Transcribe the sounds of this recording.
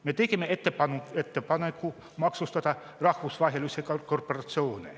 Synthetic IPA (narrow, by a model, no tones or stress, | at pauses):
met̪ekimːeet̪ːepɑnuet̪ːepɑnekːu | mɑksust̪ɑd̪ɑ | rɑhvusvɑɦelusʲekkorporɑt̪sio̞ːnḛ